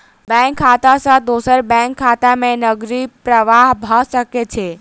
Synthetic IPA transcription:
bɛ̃kʰːat̪asãd̪osəɾbɛ̃ŋkʰːaːt̪amẽnəɡɾipɾəʋaɦbʱaʃəket͡ʃʰe

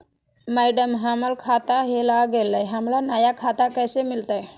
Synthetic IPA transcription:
majɖəmɦaməlkʰat̪aɦelaɡeləjɦəmlanajakʰat̪akəjsemilt̪aj

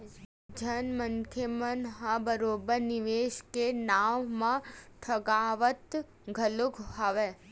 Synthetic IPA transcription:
d͡ʒʱənmənt̪ʰjəmənɦãbəɾoːbəɾnɪʋeːʃkenaʋmãʈʰəɡaːʋət̪ | ɡʱəlukɦaʋe

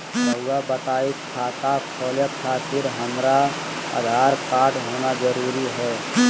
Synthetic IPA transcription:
bɐwabɐt̪aːɪtkʰaːt̪akʰɔːljəkʰaːt̪ɪɾɦɐmɾa | ə̰d̪ʱaːɾpaːʈɦoːnazəɾuːɾiɦɛː

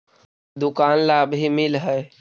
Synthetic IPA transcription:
d̪ʊkaːnlaːbɦimɪlɦɛː

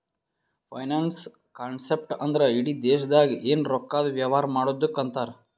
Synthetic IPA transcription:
pʰɐjnaːns | kaːɳsep̚ʈɐnd̪ɐɾeiɽid̪eːʃɐd̪aːɡiʔeːnɾɔkːaːd̪ɐʋjaːʋaːɾɐmaːɽod̪ːukːɐnt̪aːɾ

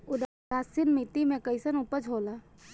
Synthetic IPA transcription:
ʊd̪ | asinmit̪imẽkəɪsənupəd͡ʒʱɦoːla

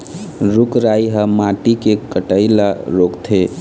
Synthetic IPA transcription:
ɾukɾajɦəmaʈikekəʈəɪlaɾokt̪ʰe

